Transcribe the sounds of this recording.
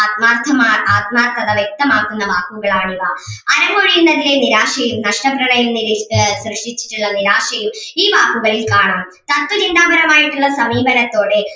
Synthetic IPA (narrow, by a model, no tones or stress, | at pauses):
aːt̪̚maːrt̪ʰːɐmaːaːt̪maːrt̪ʰɐðɐʋjɐk̚t̪ɐmaːkːunːɐʋaːkuɣɐɭaːɳiʋaɐɾɐmoːɻijunːɐðileniɾaːʂɐjumnɐʂʈɐprɐɳɐjumniɾsrɨʂʈit͡ɕːi̥ʈːuɭːɐniɾaːʂɐjumiːʋaːkuɣɐɭilkaːɳaːm | t̪ɐt̪ːʋɐd͡ʑind̪aːbɐɾɐmaːjiʈːuɭːɐsɐmiːbɐnɐt̪ːo̞ːɽe